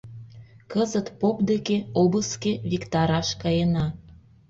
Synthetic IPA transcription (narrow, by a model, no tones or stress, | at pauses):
kəzət̪popd̪ekeobəskeβikt̪ɑɾɑʃkɑjenɑ